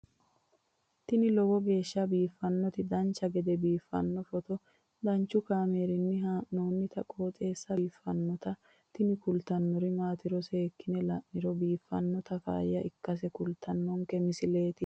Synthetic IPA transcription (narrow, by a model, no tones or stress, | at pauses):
t̪ɪnɪlɔwɔɡe̞ːʃːɐbiːfːɐnːɔt̪ɪd̪ɐnt͡ʃːɐɡɛd̪ɛbiːfːɐ̰nːɔfɔt̪ɔ | d̪ɐnt͡ʃːʊkaːmeːɾɪnːɪɦanoːnːɪt̪ɐkʼo̞ːt͡s̪ʼe̞ːsːɐːfːɐnːɔt̪ɐ | t̪ɪnɪkʊlt̪ɐnːɔɾɪmaːt̪ɪɾɔseːkːɪnɛlɐʔːɪɾɔbiːfːɐ̰nːɔt̪ɐfa̰ːjːɐʔɪkːɐs̬ɛkʊlt̪ʰɐnːɔŋkɛmɪsɪleːt̪ɪ